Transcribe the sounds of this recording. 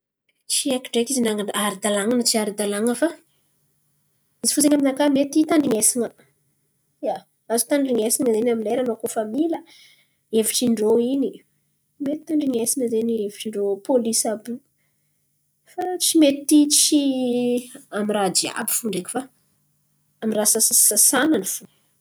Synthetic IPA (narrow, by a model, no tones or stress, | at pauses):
t͡siaki̥ʈ͡ʂekizinaŋanaɾid̪alaŋanət͡siaɾid̪alaŋəfa | izifut͡seŋaminakamet̪it̪aɳɖ͡ʐiŋesiŋə | ja | azu̥t̪aɳɖ͡ʐiŋesiŋəzenamileɾanokofamilə | eviʈ͡ʂiɳɖ͡ʐoini | met̪i̥t̪aɳɖ͡ʐiŋesiŋəzenieviʈ͡ʂiɳɖ͡ʐopolisabu | fat͡simet̪it̪it͡si | amirad͡ʒia̰bi̥fuɳɖ͡ʐekʲu̥fa | amirasasasasananifu